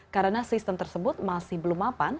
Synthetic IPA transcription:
kaɾənasist̪əmt̪ərsəbʊt̪̚masɪhbəlumapan

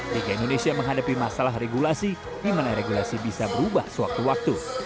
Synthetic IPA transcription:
d͡ʒiɡaindonesiaməŋɦadapimasalaɦreɡulasi | dimanaɾeɡulasibisabəɾubahsəwa̰k̚t̪uwak̚t̪u

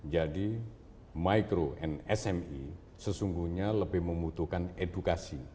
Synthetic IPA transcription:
d͡ʒadi | maikɾoʔɛnɛsɛmi | səsuŋɡuhɲaləbɪhməmut̪uhkanedukasi

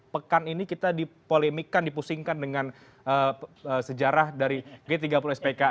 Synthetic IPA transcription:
pəkaninikit̪adipolemikandipusiŋkandəŋan | əəsəd͡ʒaɾahdaɾiɡet̪iɡapuluɛspeka

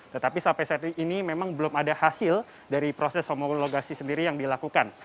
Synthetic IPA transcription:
t̪ət̪apisampasɛt̪inimemaŋbəlʊmadahasɪl | daɾipɾosɛshomoloɡasisəndiɾijaŋdilakukan

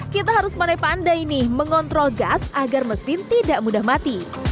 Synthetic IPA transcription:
kit̪aɦaɾʊspənajpandajinɪməŋɔnt̪ɾɔlɡasʔaɡarməsɪnt̪idaʔmudahmat̪i

